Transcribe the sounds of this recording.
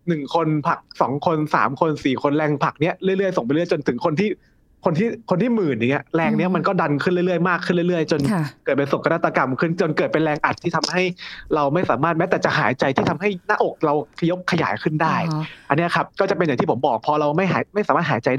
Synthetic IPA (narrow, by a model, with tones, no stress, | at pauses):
nɯ˨˩ŋkʰo˧npʰa˨˩k̚sɔ̰ː˩˦ŋkʰo˧nsa̰ː˩˦mkʰo˧nsiː˨˩kʰo˧nɾɛː˧ŋpʰa˨˩k̚ni˦˥ɐɾi˥˩jlɯ˥˩əjso˨˩ŋpa˧jlɯ˥˩əjt͡ɕo˧nt̪ʰɯ˩˦ŋkʰo˧nt̪ʰiː˥˩ | kʰo˧nt̪ʰiː˥˩kʰo˧nt̪iː˥˩mɯː˨˩na˨˩ŋi˦˥ɐɾɛː˧ŋni˦˥ɐma˧nkɔː˥˩da˧nkʰɯ˥˩nlɯ˥˩ɾɯ˥˩əjmaː˥˩kʰːɯ˥˩nlɯ˥˩ɾɯ˥˩əjt͡ɕo˧nkɤː˨˩t̪̚pe˧nso˨˩ŋkʰna˦˥t̪ːa˧ka˧mkʰɯ˥˩nt͡ɕo˧nkɤː˨˩t̪̚pe˧nɾɛː˧ŋʔa˨˩t̪ʰːiː˥˩t̪ʰa˧mha˥˩jɾa˧wma˥˩jsaː˩˦maː˥˩t̪̚mɛ˦˥t̪ɛː˨˩t͡ɕa˨˩ɦaː˨˩˦jt͡ɕa˧jt̪ʰiː˥˩t̪ʰa˧mɦa˥˩jna˦˥ʔo˨˩k̚ɾa˧wkʰa˧jo˦˥p̚kʰːa˧ja̰ː˩˦jkʰɯ˥˩ndaː˥˩jʔa˧nːi˦˥˩kʰa˦˥p̚kɔː˥˩t͡ɕa˨˩pe˧nja˨˩ŋt̪ʰiː˥˩o˩˦mbɔː˨˩k̚pʰɔː˧ɾa˧wma˥˩jɦa̰ː˩˦jma˥˩jsaː˨˦maː˥˩t̪haː˩˦jt͡ɕa˧jda˥˩